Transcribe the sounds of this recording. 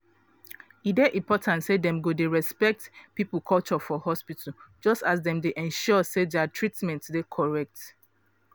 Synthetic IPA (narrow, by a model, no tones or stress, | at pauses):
ideʔĩmpɔtʰãntsedɛ̃mɡodeɹɛspɛk̚tpipulkʰɔt͡ʃɔfɔhɔspitʰəd͡ʒɔstasdɛ̃mdeʔɛ̃nʃɔsedɛatʰɹitmɛ̃ntsdekʰɔɹɛk̚t